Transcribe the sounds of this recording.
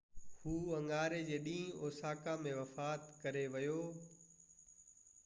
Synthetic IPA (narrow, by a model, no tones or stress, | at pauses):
huːɐ̃ŋɡaːɾed͡ʑeːɗĩːoːsaːkãmẽʋɐfaːt̪kɐɾeʋɐjoː